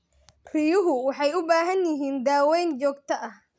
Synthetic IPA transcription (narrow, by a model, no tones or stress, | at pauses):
rɪjʊɦʊwɑħɑjʊbaːɦɐnjɪɦiːnd̪aːwɛjnt͡ʃɔːɡt̪ʰɐʔɐh